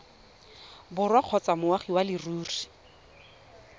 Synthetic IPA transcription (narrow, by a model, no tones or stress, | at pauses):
bʊrwaq͡χʰɔt͡samʊwaχiwalɪruːri